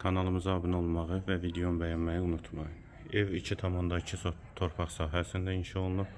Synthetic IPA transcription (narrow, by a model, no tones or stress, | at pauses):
kʰɑnɑlˠɯmɯzɑbɯnolˠmɑʁɯvævid̪eombæjɑnmɑjɯunut̪ʰmɑjɯ | evicʰit̪ʰɑmɑnd̪ɑcʰisot̪ʰo̞ɾpʰɑχsɑːɦæsind̪æinʃɑolˠunup